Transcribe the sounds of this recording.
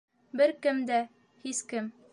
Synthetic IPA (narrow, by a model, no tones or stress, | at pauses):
bɘɾkɘmd̪æ | hiskɘm